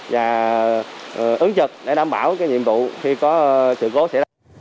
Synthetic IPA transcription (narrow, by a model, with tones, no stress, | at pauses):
vaː˨˩ | ʔɨ˨˦ŋt͡ɕɨ˨˩k̚ɗe˧˩ɗaː˧mɓaː˧˩wkaː˨˦jɲḭ˧˨əmvṵ˧˨xi˧kɔ˨˦sɨ̰˧˨ko˨˦sɛ̰˧˥˧